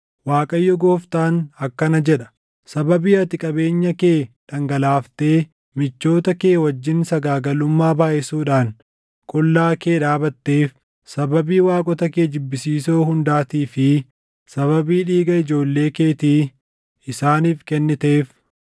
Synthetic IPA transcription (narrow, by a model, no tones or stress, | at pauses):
waːkʼɐjːɔɡoːft̪aːnɐkːɐnɐd͡ʒɛᶑɐ̥ | sɐbɐbiːɐt̪ɪkʼɐbe̞ːɲːɐke̞ːᶑ̪ɐŋɡɐlaːft̪e̞ː | mɪt͡ʃːo̞ːt̪ɐkeːwɐd͡ʒːɪnsɐɡaːɡɐlʊmːaːbaːʔɛsuːᶑaːn | kʼɔlːaːke̞ːᶑaːbɐt̪ːe̞ːf | sɐbɐbiːwaːkʼɔt̪ɐke̞ːd͡ʒɪbːɪsiːsoːhʊnd̪aːt̪iːfɪ | sɐβɐbiːᶑiːɡɐɪd͡ʒo̞ːlːe̞ːke̞ːt̪iː | ɪsaːniːfkɛnːɪt̪e̞ːf